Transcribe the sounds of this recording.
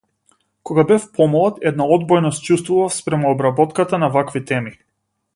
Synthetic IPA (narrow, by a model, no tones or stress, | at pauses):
kɔɡabɛfpɔmɔlˠat̪ɛd̪̚naɔd̪bɔjnɔst͡ʃust̪vuvafspɾɛmuɔbɾabɔt̪kat̪anavakvit̪ɛmi